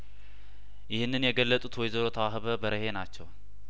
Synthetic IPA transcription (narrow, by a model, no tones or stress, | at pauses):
jɪhɨnːɨnjɛɡəlːət̪ʼut̪wɔjzəɾot̪ʰəwahɨβəbəɾəhe̞nat͡ʃːɛw